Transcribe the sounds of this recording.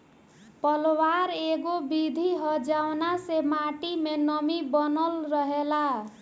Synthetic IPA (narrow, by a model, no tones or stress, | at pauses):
pʌlowaɾeɡobid̪ʱiɦʌd͡ʒawnasemaʈimenʌmibʌnʌlɾʌɦela